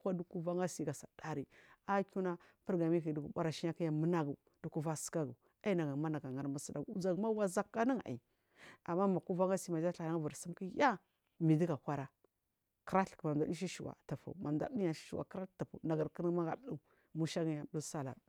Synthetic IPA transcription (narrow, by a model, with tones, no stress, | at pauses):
a˦du˦ku˦va˦ŋɡa˦si˦ɡa˨sa˨da˦ɾi˦a˦ku˦na˦ | pə˦ɾɡa˨mi˦ki˨du˦ɡu˨ba˦ɾa˨ʃi˦a˦ki˦ja˨mə˦na˦ɡu˨ | d̥u˨ku˦va˦sə̥˦ka˦ɡu˨ | a˦i˦na˨ɡa˨ma˦na˨ɡa˨ŋa˨ɾma˦si˦da̰˨ɡu˨u˦d͡ʒa˨ɡma˦wa˦za˦kːa˦ni˦ŋa̰˨ḭ˨ | a˨mːa˦ma˨ku˦va˦ŋɡa˦si˦ma˨d͡ʒa˦ɬna˦ŋ˦va˨ɾsi˦mki˦ja˦ | mi˨di˦ɡa˨kʷa˦ɾa˨ | kɾa˦ɬkma˨da˨˦di˦ʃ̬i˦ʃu˨wa̰˨ta˨fa̰˨u˨ma˨mda̰˦i˦ja˨ʃi̥˦i˨wa̰˨kɾa˦ta˨fa̰˨na˨ɡa˨ɾkə˦n˦ma˦ɡa˨˦du˦˨ | mu˦ʃa˦ɡi˨ja˨˦du˦sa˦la̰˨